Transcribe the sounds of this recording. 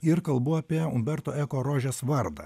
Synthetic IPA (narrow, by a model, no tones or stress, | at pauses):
ɪɾkɐlˠbʊɐpʲiɛʊ̰mbʲɛɾt̪oːɛːkoːɾoːʒʲɛsʋɐɾd̪ɐ̰